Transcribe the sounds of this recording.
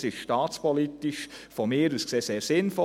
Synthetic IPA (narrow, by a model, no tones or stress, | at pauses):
sɪʃʃtɑːt͡spɔlit̪iʃfɔmɪːɾuskseːseːɾsɪnfɔ